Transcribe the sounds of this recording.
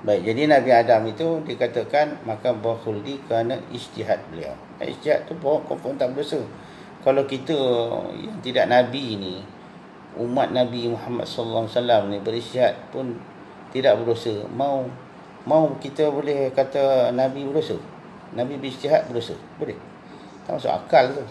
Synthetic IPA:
baik̚d͡ʒadinabiadamit̪udiəkat̪əkanmakabaxuldikəɾanaist̪iɦat̪̚bəlia̰w | a̰ḭst̪iɦa̰t̪ːupoɔʔkɔmfɔrnt̪aʔbədosə | kalawkit̪əja̰ŋt̪idaʔnabini | ṵmat̪̚nabimuhama̰t̪̚sɔlːawasalamnibəɾist̪iɦat̪̚pʊn | t̪idaʔbədosəmau | maukit̪əbolɛhkat̪ənabibədosə | nabibəɾist̪iɦat̪̚bədosə̰bolɛh | t̪aʔmasṵʔa̰kalt̪u

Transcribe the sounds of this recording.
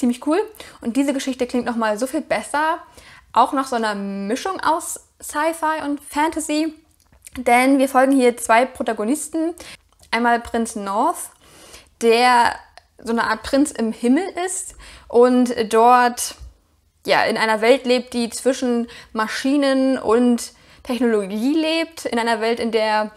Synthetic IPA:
t͡siːmlɪçkʰuːlʔʊnt̚d̥iːzəɡəʃɪçtəklɪŋktnɔχmaːlzoːfiːlbɛsɐʔaʊxnaːχz̥onɐmɪʃʊŋʔa̰ʊs | saɪfaɪʔʊntfɛntʰazi | d̥ɛnviːɐfɔlɡŋ̩hiːɐt͡sv̥aɪpʁ̥otaɡonɪstn̩ | ʔaɪnmaːlpʁ̥ɪnt͡snɔɐθ | d̥eːɐ | zoːnəʔaːɐt̚pʁ̥ɪnt͡sɪmhɪml̩ʔɪstʔʊntd̥ɔɐt | ja̰ːʔɪ̰nʔaɪnɐvɛltleːp̚t̚d̥iːt͡sv̥ɪʃn̩maʃiːnənʊ̰ntʰː | ɛçnoloɡiːleːp̚tɪ̰nʔaɪnɐvɛltɪndeːɐ

